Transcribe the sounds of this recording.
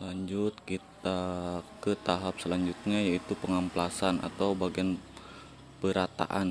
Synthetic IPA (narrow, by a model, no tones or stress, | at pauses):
laɲd͡ʒʊt̪̚kit̪akət̪aɦap̚səlaɲd͡ʒut̪̚ɲajait̪upəŋamplasanʔa̰t̪awbaɡian | pəɾat̪a̰ʔan